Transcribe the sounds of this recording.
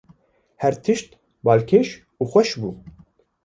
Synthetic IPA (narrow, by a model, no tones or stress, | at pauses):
hɛɾt̪ʰɨʃt̪ | bɑːlkʰeːʃ | uːxwɛʃbṵː